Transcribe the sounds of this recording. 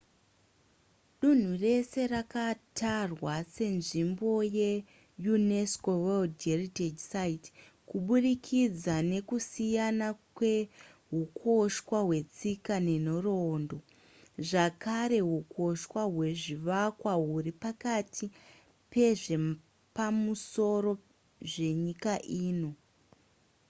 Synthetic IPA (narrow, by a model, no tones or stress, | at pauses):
ɗun̤ure̞se̞rakatʰarwase̞nʐimbo̞je̞ | junesko̞weldɡerited͡ʒsait | kuɓurikʰid͡zane̞kusijanakwe̞ | ɦukʰo̞ʃwaɦwe̞t͡sikane̞n̤orondo̞ | ʐakaɾe̞ɦuko̞ʃwaɦwe̞ʐiʋakwaɦuɾipakatʰi | pe̞ʐe̞ | pamuso̞ɾo̞ | ʐe̞ɲikaʔiːno̞